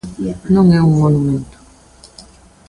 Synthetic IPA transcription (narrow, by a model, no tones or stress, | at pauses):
nɔ̃ŋɛũŋmonumẽnt̪o̥